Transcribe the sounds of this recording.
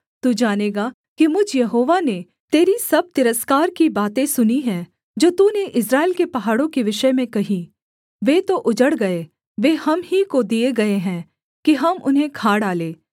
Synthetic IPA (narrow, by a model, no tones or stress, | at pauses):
t̪uːd͡ʒaːneːɡa | kimʊd͡ʒʱjɐɦoːʋane | t̪eːɾisɐb̚t̪ɪɾəskaːɾkibaːt̪ẽsʊniɦɛ̃ː | d͡ʒoːt̪uːneʔɪsɾaːɪlkepɐɦaːɽõkiʋɪʃəmẽkɐɦĩ | ʋeːt̪oʔʊd͡ʒəɽɡɐe | ʋeːhɐmɦikod̪ieɡɐeɦɛ̃ː | kiɦɐmʊ̰nɦẽkʰaːɽaːleː